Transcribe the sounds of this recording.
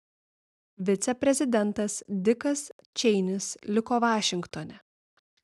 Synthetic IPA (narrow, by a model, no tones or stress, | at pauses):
ʋʲɪt̪sʲɛpʲɾʲɛzʲɪd̪ʲɛnˑt̪ɐsd̪ʲɪkɐs | t͡ʃʲɛɪnʲɪslʲɪkoːʋɑːʃʲɪŋkt̪ɔːnʲɛ